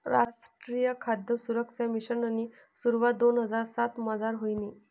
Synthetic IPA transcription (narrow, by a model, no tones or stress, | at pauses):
ɾaʂʈɾijəkʰad̪jəsuɾəksamiɕənani | suɾʋad̪onɦəd͡zaɾsat̪məd͡zaɾɦojni